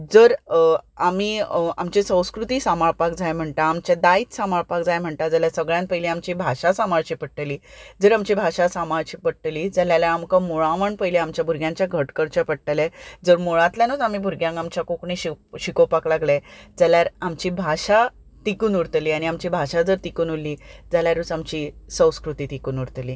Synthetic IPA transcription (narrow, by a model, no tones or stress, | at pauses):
d͡zəɾamiːamt͡ɕesə̃w̃skɾut̪iːsamaɭpakd͡zajm̤əɳt̪aːmt͡ɕjad̪aiːt̪samaɭpakd͡zajm̤əɳt̪ad͡zaljasəɡɭjãnt̪pəjliamt͡ɕiːbʱaɕasamaɭt͡ɕipəʈːəliːd͡zəɾamt͡ɕiːbʱaɕasamaɭt͡ɕiːpəʈʈəliːd͡zaljalaamkamoɭaʋəɳpəjleamt͡ɕjabʱuɾɡjãɲt͡ɕjaɡʱəʈkəɾt͡ɕəpəɽʈəlɛd͡zəɾmoɭãt̪ljanod͡zam̤ibʱuɾɡjãŋkamt͡ɕjakokɳiɕiɕikopaklaɡled͡zaljaɾamt͡ɕiːbʱaɕa | t̪ikuːnuɾt̪liːañiamt͡ɕiːbʱaɕad͡zəɾt̪ikuːnulːid͡zaljaɾut͡samt͡ɕiːsə̃w̃skɾut̪iːt̪ikuːnuɾt̪liː